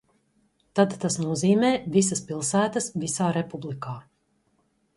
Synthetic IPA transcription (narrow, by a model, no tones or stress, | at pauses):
t̪ad̪t̪asnuɔziːmɛːvis̬ɐspilˠsæːt̪əsvisaːɾepublikaː